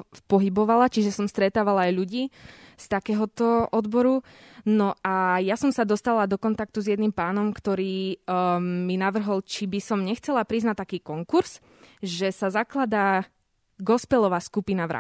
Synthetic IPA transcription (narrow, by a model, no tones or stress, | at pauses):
pɔɦibɔʋalat͡ʃiʒɛsɔmst̪ɾɛt̪aːʋalaːjʎuɟiːst̪akɛːɦɔt̪ɔʔɔd̪bɔɾu | nɔʔajasɔmsad̪ɔst̪alad̪ɔkɔnt̪ak̚t̪uzjɛd̪nimpaːnɔmkt̪ɔɾiː | minaʋr̩ɦɔlt͡ʃibisɔmɲɛxt͡sɛlapɾiznat̪ːakiːkɔŋkuɾz̥ | ʒɛsazaklad̪a | ɡɔspɛlɔʋaːskupinaʋɾa̰